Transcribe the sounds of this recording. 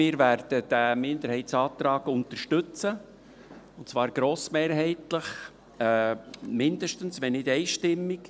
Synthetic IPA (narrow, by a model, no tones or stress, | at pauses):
mɪːɾvæɾd̥əd̥æmɪndəɾhɛɪtsɑːt̪ɾɑːɡʊntəɾʃtʏt͡sə | ʊntt͡svɑːɾɡ̥ɾoːsmeːɾɦɛɪtləχ | mɪndəʃtənsʋɛnːɪdɛɪʃtɪmːɪk